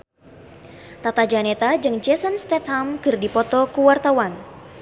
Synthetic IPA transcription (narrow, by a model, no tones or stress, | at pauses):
t̪at̪ad͡ʒanet̪ad͡ʒɨŋd͡ʒɛsənst̪ɛt̪hamkɨrdipɔt̪ɔkuwart̪awan